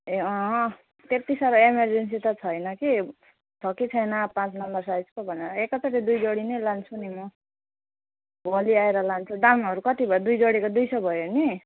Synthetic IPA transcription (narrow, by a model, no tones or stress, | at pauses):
eʌ̃ɦ | t̪et̪ːisʌɾoemerd͡zens̬it̪ʌt͡sʰʌjnʌki | tʰʌkit͡sʰʌjnʌpãt͡snʌmbʌrsajskobʱʌneɾʌekːʌt͡sʌɾid̪ujd͡zoɽinʌjlant͡sʰunimʌ | bʌliaeɾʌlant͡sʰud̪aŋɦʌɾukʌt̪ibʱʌjod̪ujd͡zoɽikod̪ujsʌbʱʌjoni